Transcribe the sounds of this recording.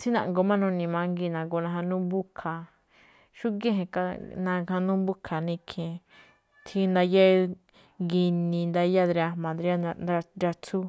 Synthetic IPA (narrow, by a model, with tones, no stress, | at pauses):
t͡si˦nã̰˨ŋɡo˧mã˦nũ˧nĩ˧mã˧ŋɡi˧˨nã˨ɡo˧nã˧ɦã˧nũ˦bu˦kʰa˨ | ʃu˦ɡẽ˦ɦẽ˧ka˧nã˧ã˧nũ˦mbu˦kʰa˨nĩ˧kʰẽ˨ | t̪ʰi˧˦nd̪a˧ja˦˧ | ɡi˧nĩ˧nd̪a˧ja˦d̪ɾa˧mã˨d̪ɾi˧˦a˦˧ɾa˧t͡su˦